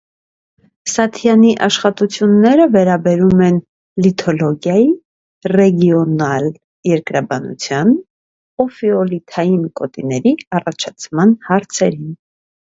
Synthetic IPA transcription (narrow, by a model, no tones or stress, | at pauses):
sɑt̪ʰjɑniʔɑʃχɑt̪ut͡sʰjunːɛɾəvɛɾɑbɛɾumɛn | lit̪ʰɔlɔɡjɑji | rɛɡjɔnɑl | jɛɾkɾɑbɑnṵt͡sʰjɑn | ɔfiɔlit̪ʰɑjinkɔt̪ḭnɛɾiɑrɑt͡ʃʰɑt͡sʰmɑnhɑɾt͡sʰɛɾin